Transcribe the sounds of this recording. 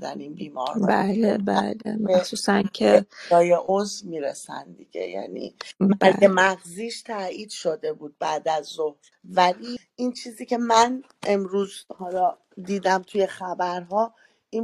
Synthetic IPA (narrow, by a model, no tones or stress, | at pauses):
d̪æ̰niːnbiːmɒ̰ɾbælebæ̰lḛmæhsuːsæncʰeɒːjeʔozvmiːɾesæ̰nd̪iɟe̞̰jæ̰nḭ | emæɣziːʃt̪ʰæiːd̪ʃo̞d̪e̞buːd̪̚bæːd̪æzːohɾ | væli | int͡ʃʰiːziːcʰe̞mæn | e̞mɾuːzhɒːlɒː | d̪iːd̪æmt̪ʰuje̞xæbæɾɦɒː | i